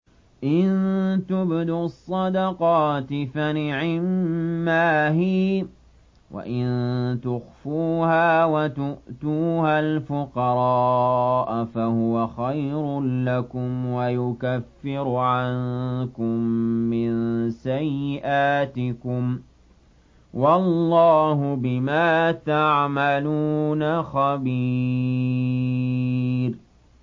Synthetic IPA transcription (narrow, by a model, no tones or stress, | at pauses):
ʔɪnt̪ʊbd̪ʊɑsˤːɑd̪ɑqɑːt̪ɪfanɪʕɪmːaːhi | wʔa̰ʔɪnt̪ʊxfuːhaːwat̪ʊʔt̪uːhalfʊqɑɾˤɑːʔfahʊwaxajɾʊlakʊmwajʊkafːɪɾʕankʊmːɪnsajːɪʔaːt̪ɪkʊm | wɑlːɑːhʊbɪmaːt̪aʕmaluːnaxabi | ɾ